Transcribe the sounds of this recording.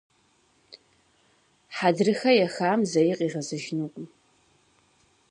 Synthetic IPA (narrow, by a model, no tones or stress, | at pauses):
ħadrɨxajaxaːmzajiqʼiʁazaʒnukʷʼm